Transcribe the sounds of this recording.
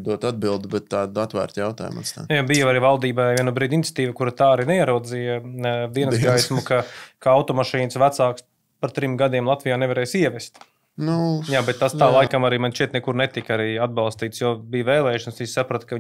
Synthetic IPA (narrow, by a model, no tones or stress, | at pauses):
d̪uɔt̪ad̪̚bilˠd̪ubɛt̪ːaːd̪at̪ʋæ̰ːɾt̪jawt̪a̰ːjuma̰nsa̰jobijaaɾivalˠd̪iːbaviɛnubɾiːd̪int̪sʲḁt̪iːʋəkuɾat̪aːaɾinɛiɛɾuɔd̪zijd̪iɛnsɡajsmukakaawt̪ɔmaʃiːnsʋæt̪saːks | paɾt̪ɾimɡad̪iɛmlˠat̪ʋijaːnɛvɐɾɛːjsiɛʋɛst̪ | nujaːbɛt̪ːast̪aːlˠajkamaɾiːmanʲʃt͡ʃiɛt̪nɛkuɾnɛt̪ikaɾiad̪̚bɑlˠst̪iːt̪sjoːbijʋɛːlˠɛːjuʃɐnsisʲsapɾot̪kɐ